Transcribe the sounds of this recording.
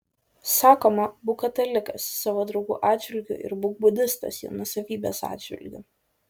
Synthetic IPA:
sɑːkoːmɐbʊkɐt̪ɐlʲɪkɐsːɑːʋoːd̪ɾɐʊɡṵːʔɑːd̪ʲd͡ʒʲʋʲɪlʲɡʲʊ̰ʔɪ̰ɾbʊɡ̚bʊd̪ʲɪst̪ɐ̰sjḭʊnʊɔsɐʋʲiːbʲḛːsɑ̰ːd̪ʲd͡ʒʲʋʲɪ̰lʲɡʲʊ̰

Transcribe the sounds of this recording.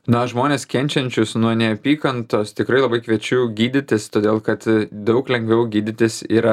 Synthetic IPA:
nɐʒmoːnʲeːskʲɛnʲt͡ʃʲɛnʲt͡ʃʲʊsnuɔnʲɛɐpʲiːkɐnt̪oːst̪ʲɪkɾɐɪlˠɐbɐɪkʋʲiɛt͡ʃʲuːɡʲiːd̪ʲɪt̪ʲɪst̪oːd̪ʲeːlˠkɐt̪d̪ɐʊklʲɛŋɡʋʲɛʊɡʲiːd̪ʲɪt̪ʲɪsiːɾɐ

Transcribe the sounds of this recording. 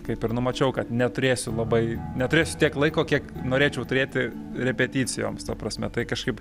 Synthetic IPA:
kɐɪpɪɾnʊmɐt͡ʃʲɛʊkɐt̪nʲɛt̪ʊɾʲeːsʲʊlˠɐbɐɪnʲɛt̪ʊɾʲeːsʲʊt̪ʲiɛklˠɐɪkoːkʲiɛknoːɾʲeːt͡ʃʲɛʊt̪ʊɾʲeːt̪ʲɪ | ɾʲɛpʲɛt̪ʲiːt͡s̪ʲɪjo̰ːmst̪ɐpɾɐsʲmʲɛt̪ɐɪkɐʃkɐɪp

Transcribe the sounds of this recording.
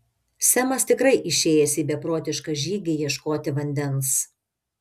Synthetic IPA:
sʲɛmɐst̪ʲɪkɾɐɪʔɪʃʲeːjɛsʲiːbʲɛpɾoːt̪ʲɪʃkɑʒʲiːɡʲɪjiɛʃkoːt̪ʲɪʋɐnʲd̪ʲɛns

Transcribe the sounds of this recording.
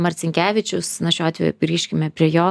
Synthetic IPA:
mɐtsʲɪŋʲkʲæːʋʲɪt͡ʃʲʊsnɐʃʲoːɑːt̪ʋʲɛ̰jṵɡɾʲiːʃʲkʲɪmʲɛpʲɾʲiɛjoː

